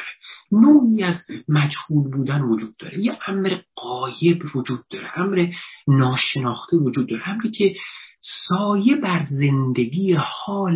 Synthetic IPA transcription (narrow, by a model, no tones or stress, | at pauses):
ɾenoːiːæzmæd͡ʒhuːlbuːd̪ænvod͡ʒuːd̪̥̚ːɒ̰ːɾejeʔæmɾeɢɒːje̞bvod͡ʒuːd̪̥̚ːɒːɾeʔæmɾenɒːʃe̞nɒːxt̪ʰevod͡ʒuːd̪̚ːɒːɾeæmɾicʲʰesɒːje̞bæɾze̞nd̪e̞ɡiːjehɒːl